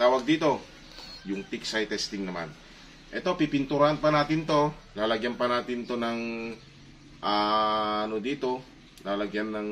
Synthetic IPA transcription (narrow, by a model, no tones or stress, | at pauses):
t̪aːwaɡ̚d̪iːt̪o̞ | jʊŋt̪iksajt̪ɛst̪ɪŋnɐma̰n | ʔɛt̪opipint̪uɾanpanaːt̪ɪnt̪o̞ | laːlɐɡjanpanaːt̪ɪnt̪onaŋ | ʔa | nod̪iːt̪o̞ | laːlɐɡjanːɐŋ